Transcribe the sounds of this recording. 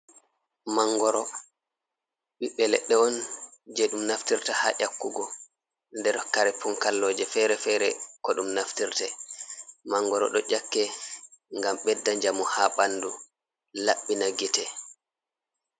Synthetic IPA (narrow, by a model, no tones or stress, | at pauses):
maŋɡɔɾɔ | ɓiɓːɛlɛ̰ɗːɛɔnd͡ʒɛɗumnaftiɾtaha̰ʔakːuɡɔ | ndɛɾkaɾɛpuŋkalːɔːd͡ʒɛfɛɾɛfɛɾɛkɔɗumnaftiɾtɛ | maŋɡɔɾɔ̰ɗɔd͡ʒakːɛŋɡamɓɛdːaɲd͡ʒamuhaɓandu | laɓːinaɡitɛ